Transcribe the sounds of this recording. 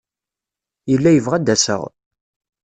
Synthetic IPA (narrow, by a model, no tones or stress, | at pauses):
jəlːæjəvʁæd̪ːæsə̰ʁ